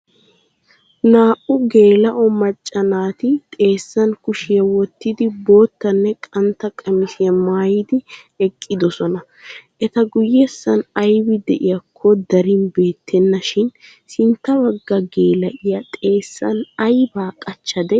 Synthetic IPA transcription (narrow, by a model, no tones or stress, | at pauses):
naːʔʊɡe̞ːlɐʔɔmɐt͡ʃʼːɐnaːt̪ɪt̪ʼe̞ːsːɐnkʊʃɪjɐwɔt̪ːɪd̪ɪbo̞ːt̪ːɐnːɛkʼɐnt̪ːɐkʼɐmɪʃɪjɐmaːjɪd̪ɪ | ɛkʼːɪd̪ɔsɔnɐ | ʔɛt̪ɐɡʊjɛsːɐnɐjbɪd̪ɛʔɪjɐkʰːɔd̪ɐɾɪnbe̞ːt̪ʰːɛnːɐʃɪn | sɪnt̪ːɐbɐɡːɐɡe̞ːlɐʔɪjɐt̪ʼe̞ːsːɐ̰nɐjbaːkʼɐt͡ʃːɐd̪ɛ